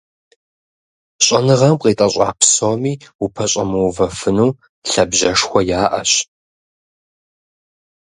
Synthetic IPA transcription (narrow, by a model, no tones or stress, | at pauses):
ɕʼɐnɨʁɐmqeːtʼɐɕʼa̰ːpʰsomiːupʰɐɕʼɐmɨwvɐfɨnuː | ɬɐbʑɐʂxʷɔjaːʔɐɕ